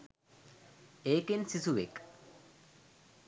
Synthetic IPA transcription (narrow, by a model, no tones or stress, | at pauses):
ekensisuβḛk